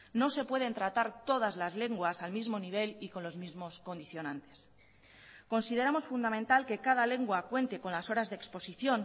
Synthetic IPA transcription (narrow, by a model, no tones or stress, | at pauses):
no̞se̞pwe̞ð̞e̞nt̪ɾat̪aɾt̪o̞ð̞azlazle̞ŋɡwasalmizmo̞niβ̞e̞liko̞nlo̞zmizmo̞sko̞nd̪iθjo̞nãnt̪e̞̥s | ko̞nsið̞e̞ɾamo̞sfund̪amẽnt̪alke̞kað̞ale̞ŋɡwakwe̞nt̪e̞ko̞nlaso̞ɾazðekspo̞siθjo̞n